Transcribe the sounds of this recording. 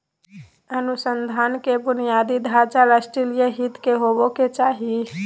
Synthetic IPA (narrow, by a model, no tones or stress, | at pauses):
ənusənd̪ʱaːnkebʊnijad̪id̪ʱat͡ʃaɾasʈɾilijəɦit̪keɦoboket͡ʃaːɦi